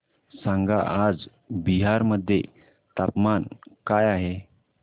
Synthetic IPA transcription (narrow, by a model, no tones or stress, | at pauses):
sãŋɡaʔad͡z | biɦaɾməd̪ʱːjḛ | t̪apmankajaɦe